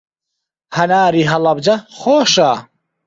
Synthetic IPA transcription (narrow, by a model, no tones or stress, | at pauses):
hɐnaːɾiːɦɐlɐbd͡ʒɐxoːʃaː